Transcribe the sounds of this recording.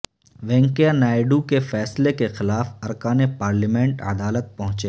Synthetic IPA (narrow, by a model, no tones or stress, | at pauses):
ʋɛ̃ːŋkejanaːɪɖukefɛːslekexɪlaːfɐɾkaːnepaːɾlimɛ̃ɳʈɐ̰d̪aːlət̪̚pɐɦʊ̃t͡ʃeː